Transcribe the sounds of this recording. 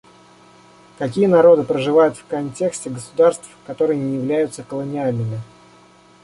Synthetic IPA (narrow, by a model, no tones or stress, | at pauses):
kɐkʲijənɐɾo̞d̪ɨpɾəʐɨvajʊt̪fkɐnʲtʲe̞ksʲtʲɪɡəsʊd̪arst̪fkɐt̪o̞ɾɨjənʲɪjɪvlʲæjʊt̪səkəlˠənʲɪalʲnɨmʲɪ